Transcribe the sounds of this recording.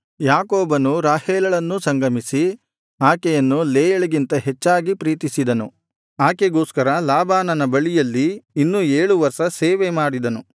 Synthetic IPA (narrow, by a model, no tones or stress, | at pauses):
jaːkoːbɐnuɾaːheːlɐɭɐnːusɐŋɡɐmisi | aːkɛjɐnːuleːjɐɭiɡint̪ɐɦet͡ʃːaːɡipɾiːt̪isid̪ɐnu | aːkeɡo̞ːskɐɾɐlaːbaːnɐnɐbɐɭijɐlːiːnːueːɭuʋɐɾʃɐseːʋemaːɽid̪ɐnu